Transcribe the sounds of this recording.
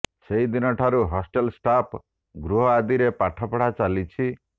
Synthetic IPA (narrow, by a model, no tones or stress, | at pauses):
seɦid̪inɔʈʰaɾuɦɔsʈelsʈap | ɡɾuɦɔad̪iɾepaʈʰɔpɽ̤at͡ʃalit͡ʃʰi